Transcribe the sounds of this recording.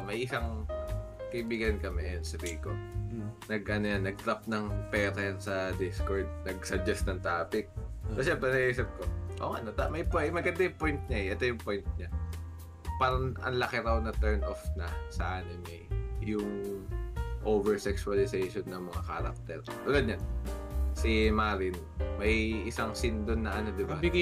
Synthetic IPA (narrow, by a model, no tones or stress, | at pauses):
mɐjʔɪsaŋ | kɐʔibiːɡɐnkɐmɛɛnsɐbiːhɪkonɐɡʔɐnojanɐɡ̚t̪ɾap̚nɐŋpɛːɾɐjɐnsɐd̪ɪskoɹd̪̚nɐɡ̚sɐd͡ʒɐst̪nɐŋt̪aːpɪk̚kɐsɛpɐnɐɡisɐp̚koʔo̰ʔɐ̰not̪amɐjpɛmɐɡɐnd̪ajʊŋpojnt̪̚ɲaɛʔɛt̪ojʊŋpojnt̪̚ɲa | paɾɐnʔɐ̰nlɐkɪɾawnɐt̪ɛɹnʔofnɐsɐʔanomɛjʊŋ | ʔovɛɹsɛksʊɐlɪsɛjʃonːɐŋmɐŋakaɾɐ̰k̚t̪ɛ̰ɾʔʊɡɐd̪̚ɲansɪmaɾɪn | mɐjʔɪsɐŋsɪnd̪onːɐʔɐno̞d̪ɪbabɪɡ